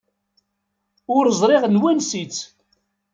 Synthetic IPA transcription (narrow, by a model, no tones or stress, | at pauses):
ʊɾzˤɾˤeʁnwænsit͡sː